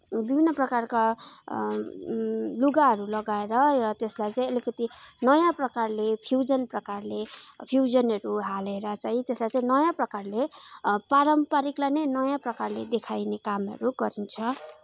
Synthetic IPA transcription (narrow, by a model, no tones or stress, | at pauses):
bibʱinːʌprʌkarka | luɡaɦʌɾulʌɡaeɾʌrʌt̪eslajt͡saĩʌlikʌt̪inʌjãprʌkarlepʰjud͡zʌnprʌkarlepʰjud͡zʌnɦʌɾuɦaleɾʌt͡saĩt̪eslajt͡saĩnʌjãprʌkarlepaɾʌmpaɾiklajnʌjnʌjãprʌkarled̪ekʰajnekamɦʌ̰ɾuɡʌɾint͡sʰʌ